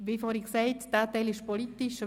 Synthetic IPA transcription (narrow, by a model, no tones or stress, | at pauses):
ʋifoɾiksɛɪt̪d̥aːt̪ɛɪlɪʃpolit̪iʃ